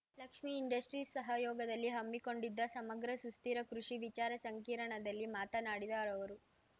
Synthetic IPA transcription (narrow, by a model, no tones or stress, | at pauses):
lɐkʂmiːɳɖɐsʈɾiːsːɐɦɐjɔːɡɐd̪ɐlːiɦɐmːiko̞ɳɖid̪ːɐsɐmɐɡɾɐsust̪iːɾɐkɾuʂiʋit͡ʃaːɾɐsɐŋkiːɾɐɳɐd̪ɐlːimaːt̪ɐnaːɽid̪aːɾɐʋɐɾu